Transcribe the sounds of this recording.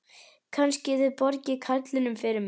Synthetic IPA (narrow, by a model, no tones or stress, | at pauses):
kʰanscɪðʏðpɔɾcɪkʰat̪lɪnʏmfɪːɾɪɾm